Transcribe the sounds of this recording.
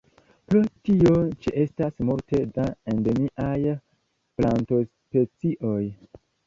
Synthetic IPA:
pɾotio̞t͡ʃiʔe̞stasmulte̞dae̞ndomiʔaj | planto̞spe̞t͡siʔo̞j

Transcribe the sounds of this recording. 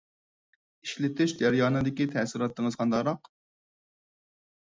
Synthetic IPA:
iʃlɪt̪ʰɪʃd͡ʒɛɾjɑːnɨd̪ɪkʲit̪ʰɛsɪɾɑt̪ːəŋɨz̥qʰɑnd̪ɑqɾɑq

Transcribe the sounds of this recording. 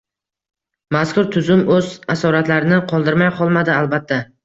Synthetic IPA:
maskʰʊɾt̪ʰʊzʊmɵzasɒɾat̪laɾɪnɪqʰɒlˠd̪ɪɾmajqʰɒlˠmad̪ɪalˠbat̪ʰːa

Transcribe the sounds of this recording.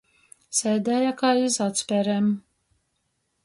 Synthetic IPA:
sɛːd̪ɛjakaːizat̪spʲɛɾɛm

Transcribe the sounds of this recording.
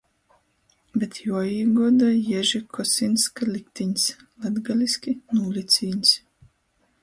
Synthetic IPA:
bʲɛt̪juɔjiːɡuɔd̪ajɛʒikʰɔsʲinskalʲik̚ʲt̪iɲʲslɛd̪ɡalʲisʲkʲinuːlʲit̪sʲiːɲʲs

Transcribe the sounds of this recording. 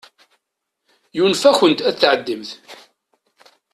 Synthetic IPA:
junfæçənt̪æθʕəd̪ːimθ

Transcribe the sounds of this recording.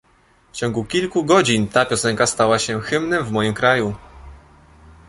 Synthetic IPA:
ft͡ɕɔ̃ŋɡukʲilkuɡɔd͡ʑint̪apʲjɔsɛŋkast̪awaɕɛxɘmnɛmvmɔjimkɾaju

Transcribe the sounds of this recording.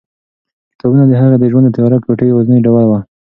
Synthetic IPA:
t̪abunad̪əɦaɣad̪əʒwand̪ət̪ajaɾakpoʈəjwaznəjɖawalwa

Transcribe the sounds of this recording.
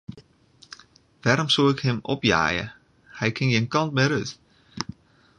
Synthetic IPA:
ʋɛɾɔmsuɪkhɪmɔ̰pja̰ːjə̰ | hɛjkʰɪnjənkɑnt̚mɛɾøt

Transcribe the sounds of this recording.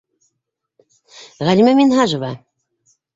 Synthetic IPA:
ʁælʲimæminɦɑʒɤ̆vɑ

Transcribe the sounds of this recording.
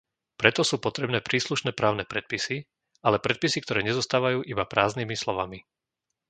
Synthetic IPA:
pɾɛt̪ɔsuːpɔt̪ɾɛbnɛːpɾiːsluʃnɛːpɾaːʊnɛːpɾɛt̪̚pisi | alɛpɾɛt̪̚pisik̚t̪ɔɾɛːɲɛzɔst̪aːʋajuːʔibapɾaːzniːmislɔʋami

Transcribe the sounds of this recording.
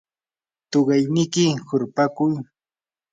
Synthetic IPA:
t̪oɢɑjnɪkɪhʊɾpakʊj

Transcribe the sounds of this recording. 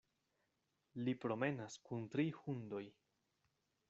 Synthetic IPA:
lipɾo̞me̞naskuntɾihundo̞j

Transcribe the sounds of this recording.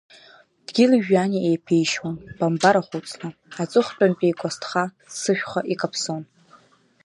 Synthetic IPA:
d̥ɡʲilʒᶣaniʔejpʰejʃwanb̥ambaɾaχʷut͡sʼnɨat͡sʼɨχpʼanpʼijkʷʼastʰχa | sɨʃʷᶣχʷaʔikʼapʰson

